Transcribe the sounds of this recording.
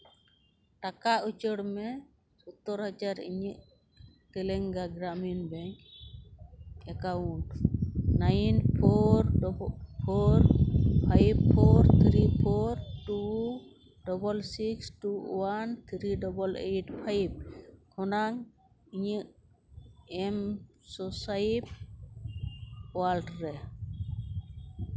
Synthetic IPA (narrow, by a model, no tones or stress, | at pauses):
ʈakaut͡ʃəɽmɛ | sɔt̪ɔɾhad͡ʒaɾḭɲiʔ | t̪ɛlɛŋɡaɡɾaminbɛɲ | ɛkawunʈnajnpʰɔɾpʰɔɾpʰajbpʰɔɾt̪ʰɾipʰɔɾtu | dɔbɔlsikstuwant̪ʰɾidɔbɔlejʈpʰajb̚kʰɔnaŋ | iɲi | ɛm | sɔsajb̚ | walʈɾɛ